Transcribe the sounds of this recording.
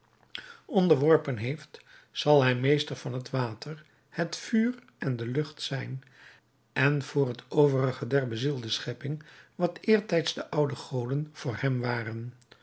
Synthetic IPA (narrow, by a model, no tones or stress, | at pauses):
ɔndəɹʋɔɹpənɦejft | sɑlˠɦɛjmejstəɹvɑnɦətʋaːtʰəɹ | hətfyːr | ʔɛndəlɵχtsɛjn | ʔɛnv̥ʊːrɦətowvərəχədɛɹbəzilˠdəsχɛpɪŋʋɑtɪːɹtɛjtzdəʔʌwdəχowdənv̥ʊːɹhɛmʋaːrən